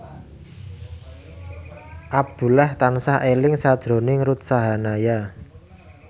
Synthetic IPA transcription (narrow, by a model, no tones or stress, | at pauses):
ʔab̚d̪̥ṳlaht̪ansahʔelɪŋsad̥ʒ̥ɾo̤nɪŋɾut̪̚saɦanaja